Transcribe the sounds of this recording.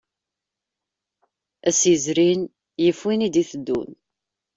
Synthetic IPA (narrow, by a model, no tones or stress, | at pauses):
æsjəzɾin | jəfwinid̪iθəd̪ːṵn